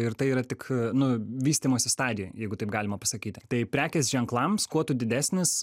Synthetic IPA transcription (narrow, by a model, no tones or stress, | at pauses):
ɪɾt̪ɐɪiːɾɐt̪ʲɪknʊʋʲiːsʲt̪ʲiːmoːsʲɪst̪ɑːd̪ʲɪjojɛɪɡʊt̪ɐɪpɡɑːlʲɪmɐpɐsɐkʲiːt̪ʲɪt̪ɐɪpʲɾʲæːkʲɛsʒʲɛŋklˠɐmskuɔt̪ʊd̪ʲɪd̪ʲæːsʲnʲɪs